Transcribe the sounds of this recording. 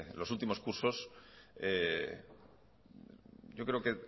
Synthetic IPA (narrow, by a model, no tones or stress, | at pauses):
lo̞sult̪imo̞skuɾso̞se | ʝo̞kɾeo̞ke